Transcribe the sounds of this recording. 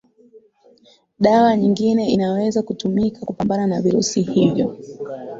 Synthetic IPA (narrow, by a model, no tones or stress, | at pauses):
ɗawaɲiŋɡinɛinawɛzakutumikʰakupambananaviɾṵsihivjɔ